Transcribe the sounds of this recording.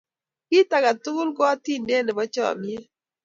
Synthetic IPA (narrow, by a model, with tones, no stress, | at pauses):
kɪ˦ta˨ɡa˨tʊ˦lɡɔ˦ti˦nde˦nɛ˨bɔ˦t͡ʃɔ̰˦˨mi˦e˦